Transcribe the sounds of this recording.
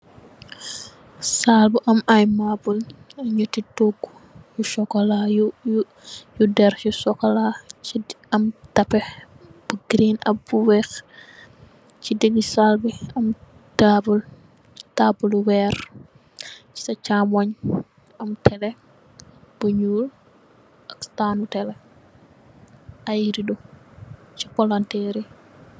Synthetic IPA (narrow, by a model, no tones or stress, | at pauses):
salbuʔɐmajmabulɐɲətːitoɡːu̥ | juʃɔkːɐlaju | judɛrjusɔkːɐlai | ɐmtɐpɛ | b̥uɡɾinɐ̰buwɛx | t͡ʃidəɡːisalbiɐm | dabul | taːbuluwɛːr | t͡ʃi̥sɐt͡ʃaːmɔɲ | ɐmtʰɛlɛ | b̥uɲuːl | ʔɐkstaːnutɛlɛ | ɐjiɾidu | cikɔlɔntɛɾi